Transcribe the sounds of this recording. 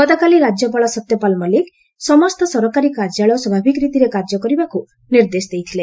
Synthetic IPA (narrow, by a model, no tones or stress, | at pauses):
ɡɔt̪ɔkaliɾad͡ʒjɔp̬aɭɔsɔt̪jɔpalmalik | sɔmɔst̪ɔsɔɾɔkaɾikaɾd͡ʒaɭɔswɔbʱabʱikɔɾit̪iɾekaɾd͡ʒɔkɔɾibaku | niɾd̪esd̪ejt̪ʰile